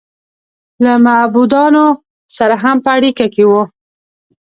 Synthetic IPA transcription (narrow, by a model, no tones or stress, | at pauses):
lamabud̪ɑno | saɾaɦampəaɽikakewu